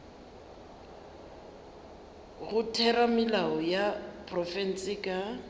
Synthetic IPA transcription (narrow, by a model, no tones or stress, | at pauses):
ɣʊtʰɛɾamɪlaɔjapʰʼrɔfɛn̩sʼɪkʼa